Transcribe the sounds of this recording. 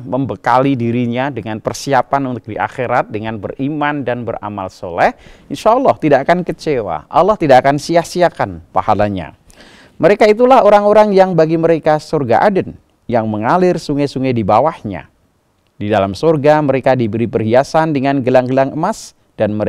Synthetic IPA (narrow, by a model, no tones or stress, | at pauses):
məmbəkalidiɾiɲadəŋanpərsiapanunt̪ʊk̚diʔa̰xeɾat̪̚dəŋanbə̰rimandanbəɾa̰ma̰lso̰lɛhinʃalːɔht̪idaːkankət͡ʃewa̰ʔalːɔht̪idaʔːkansiasiakanpa̰halaɲa̰ | məɾekait̪̬ulahoɾaŋoɾaŋjaŋbaɡiməɾekasorɡa̰ʔadən | jaŋməŋalɪrsuŋajsuŋajdibawahɲa̰ | didalamsorɡaməɾekadibəɾibərhiasandəŋanɡəlaŋɡəlaŋəmas | d̥anməɾ